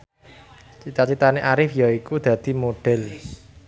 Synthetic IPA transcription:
t͡ʃit̪at͡ʃit̪aneʔaɾɪfjaikud̪̥ä̤d̪̥i̤moɖ̥ɛ̤l

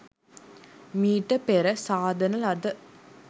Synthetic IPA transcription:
miːʈɐpeɾɐsaːd̪ʱɐnɐlɐd̪ɐ

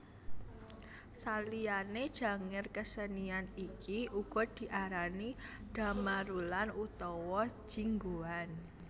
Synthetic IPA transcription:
salianed̥ʒ̥ä̤ŋɪrkəsənianikiʔuɡ̥ɔ̤d̪̥i̤ʔaɾaniɖ̥a̤maɾulanut̪ɔwɔ̥d͡ʒ̥iŋɡoan

